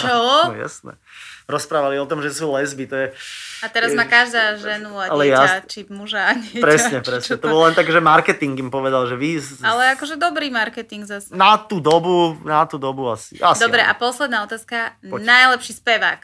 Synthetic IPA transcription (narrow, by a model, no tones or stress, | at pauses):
t͡ʃɔ̰ja̰snɛ̰ | ɾɔspɾaːʋaliɔt̪ɔmʒɛsuːlɛzbit̪ɔjɛat̪ɛɾazmaːkaʒd̪aːʒɛnuaalɛɛjaat͡ʃimuʒaːɲɪɛpɾɛsɲɛpɾɛsɲɛt̪ɔbɔllɛnt̪akɛːʒɛmaɾkɛt̪iŋɡimpɔʋɛd̪alʒɛʋialɛakɔʒɛd̪ɔbɾiːmaɾkɛt̪iŋɡzasɛnat̪uːd̪ɔbunat̪uːd̪ɔbuasḭʔasd̪ɔbɾɛʔa̰pɔslɛd̪naːɔt̪aːskanajlɛpʃiːspɛʋa̰ːk